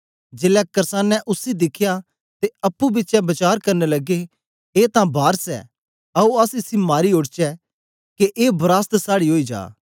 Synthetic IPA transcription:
d͡ʒeːlɛkɐɾsãːnːɛ̃ʔʊsid̪ɪkʰja | t̪eɐpːubɪtːt͡ʃɛbɐt͡ʃaːɾkɐɾnɛlɐɡe | eːt̪ãbʱaːɾsɛ̰ | ɐuɐsɪsimaːɾioɽt͡ʃɛ | keʔeːbɾaːst̪saːɽiɦoːid͡ʒa̰ː

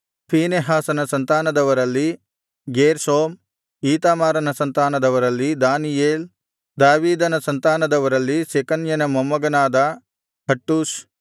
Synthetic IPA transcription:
pʰiːneɦaːsɐnɐsɐnt̪aːnɐd̪ɐʋɐɾɐlːi | ɡeːɾsoːm | iːt̪aːmaːɾɐnɐsɐnt̪aːnɐd̪ɐʋɐɾɐlːid̪aːnijeːl | d̪aːʋiːd̪ɐnɐsɐnt̪aːnɐd̪ɐʋɐɾɐlːisekɐnjɐnɐmɐmːɐɡɐnaːd̪ɐ | hɐʈːuːs

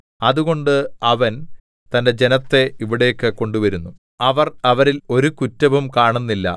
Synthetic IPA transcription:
ɐðuɣo̞ɳɖɨɐʋɐn | t̪ɐnde̞d͡ʑe̞nɐt̪ːe̞iʋiɽe̞ːkːɨko̞ɳɖuʋɐɾunːu | ɐʋɐrɐʋɐɾilo̞ɾukutːɐʋumkaːɳunːilːɐ̰

